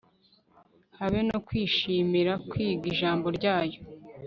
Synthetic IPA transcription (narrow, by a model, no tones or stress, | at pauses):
haβeno̞kwiːʃiːmiɾakwiːɡiʒaːmbo̞ɾɟaːjo̞